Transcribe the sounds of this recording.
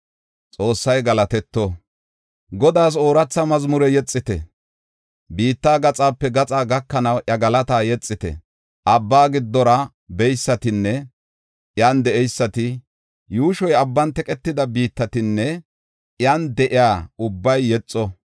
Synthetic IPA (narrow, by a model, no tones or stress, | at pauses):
t͡sʼo̞ːsːɐjɡɐlɐt̪ɛt̪ːɔ | ɡɔd̪aːs̬o̞ːɾɐt͡sːɐmɐzmʊɾɛjɛt͡sʼːɪt̪ɛ̰ | biːt̪ːaːɡɐt͡sʼaːpːɛɡɐt͡sʼaːɡɐkːɐnɐwʔɐɡɐlɐt̪aːjɛt͡sʼːɪt̪ɛ̰ | ʔɐbːaːɡɪd̪ːɔɾɐ | bɛjsːɐt̪ɪnːɛ | jand̪ɛɛjsːɐt̪ɪ | juːʃɔjɐbːɐnt̪ɛkʼɛt̪ːɪd̪ɐbiːt̪ːɐt̪ɪnːɛ | jand̪ɛʔɪjaːʊbːɐjːɛt͡sʼːɔ